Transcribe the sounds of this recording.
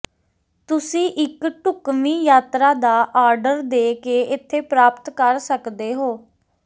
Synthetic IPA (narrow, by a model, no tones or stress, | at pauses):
t̪ʊsĩːʔɪkʈʊkmĩːjaːt̪ɾaːd̪aːʔaːɾɖəɾd̪eːkeːʔɪt̪ʰːeːpɾaːpt̪kəɾsəkd̪eːɦoː